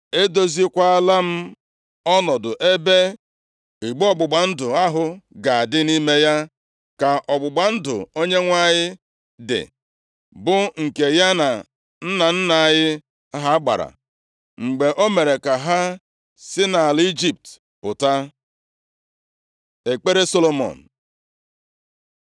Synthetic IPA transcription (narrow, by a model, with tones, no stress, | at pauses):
e˦do˦zi˦kʷa˦a˦la˦m̩˦ | ɔ˦nɔ˨dʊ˨ʔe˦be˦ | i˨ɡ͡bɔ˦ɡ͡bʊ˨ɡ͡ba˨n̩˦dʊ˨a˦ɦʊ˦ɡa˨a˨dɪ˦ni˦me˦ja˦ | ka˨ʔɔ˨ɡ͡bʊ˨ɡ͡ba˨n̩˦dʊ̰˨o˦ɲe˦ŋʷa˦ɲɪ˦ | dɪ̰˨ | bʊ˦ŋ̩˨ke˨ja˦na˨ | n̩˦na˨n̩˦na˨a˨jɪ˦ | a˦ɦa˦ɡ͡ba̰˨ɾa̰˨ | ŋ͡m̩˨ɡ͡be˨ʔo˦me˨ɾe˨ka˨ɦa˦ | sɪ˦na˨li˦d͡ʒi˨p̚t | pʊ˨ta˦ | e˨k͡pe˦ɾe˦so˦lo˦mɔ̰˨n̩˨